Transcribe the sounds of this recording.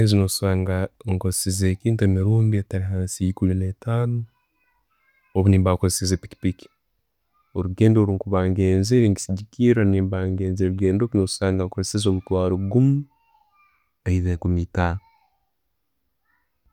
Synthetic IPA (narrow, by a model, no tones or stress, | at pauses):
ezinosaːŋɡaŋkozesizeːkiːntuemiɾuːmbiataɾiɦaːnsiikulinetanu | oβuniːmbakozesizepi̥ki̥piki̥ | oɾuɡe̞ːndoɾuŋkuβaːŋɡeːnzeɾeŋɡi̥siɟikiːɾaniːmbaːŋɡeːnzeɾuɡeːndokunou̥saːŋɡakoɾesizoβutwaːɾuɡumu | eiβekumitaː